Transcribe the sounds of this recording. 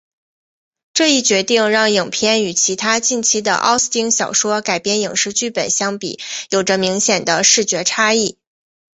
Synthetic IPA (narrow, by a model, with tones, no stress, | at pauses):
ʈ͡ʂɤ˥˧i˥˩t͡ɕɥɛ˧˥t̪i˥˧ŋɻɑ˥˩ŋji˨˩ŋpʰjɛ˥˩ny˨˩t͡ɕʰi˧˥t̪ʰa˥t͡ɕi˥˩nt͡ɕʰi˥d̪ə̰˧ʔɑ̰˥ʊst̪i˥ŋɕjɑ˨˩ʊʂwɔ˥ka˨˩ɪpjɛ˥˩nji˨˩ŋʂɻ̩˥t͡ɕy˥˩pə˨˩nɕjɑ˥ŋpḭ˨˩˦jo˨˩ʊʈ͡ʂə˦mi˧˥ŋɕjɛ˨˩nd̪ə˦ʂɻ̩˥˩t͡ɕɥɛ˧˥ʈ͡ʂʰa˥i˥˩